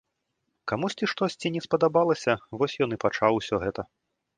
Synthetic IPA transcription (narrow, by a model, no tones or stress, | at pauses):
kamusʲt͡sʲiʂt̪ɔsʲt͡sʲinʲɛspɐd̪abalˠɐsʲɐvɔsʲjɔnɨpat͡ʂawsʲɔɣɛt̪ɐ